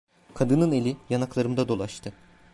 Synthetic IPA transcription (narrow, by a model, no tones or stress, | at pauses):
kʰad̪ɯnɯne̞lʲijanaklˠaɾɯmd̪ad̪o̞lˠaʃt̪ʰɯ